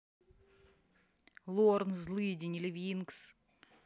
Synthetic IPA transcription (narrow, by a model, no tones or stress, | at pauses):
lˠornzlˠɨdʲɪnʲɪlʲɪvʲinks